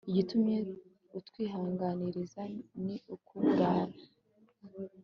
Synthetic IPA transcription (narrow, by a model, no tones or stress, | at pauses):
iɟitumɲe̞ | utwiːɦaːŋɡaniɾizaniukuɡaːɾḁ